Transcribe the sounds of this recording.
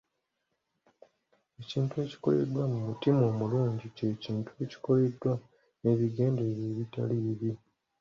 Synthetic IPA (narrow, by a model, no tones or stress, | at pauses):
e̞ciːntue̞ːci̥ko̞̰le̞̰dwamumutimo̞ːmuloːɲɟice̞ːciːntue̞ci̥ko̞le̞dːwa | e̞βiɡe̞ːnde̞βjeːβita̰liβi